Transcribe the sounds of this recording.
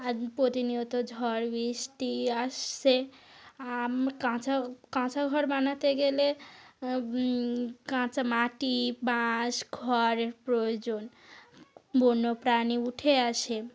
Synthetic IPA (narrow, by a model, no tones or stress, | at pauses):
apot̪iniot̪od͡ʒʱɔɾbisʈ̪iaseamkãt͡ʃʰakãt͡ʃʰaɡʱɔɾmanat̪eɡele | kãt͡ʃamaʈibãsɡʱɔɾeɾpɾojod͡ʒon | bonːopɾaniuʈʰeasʰe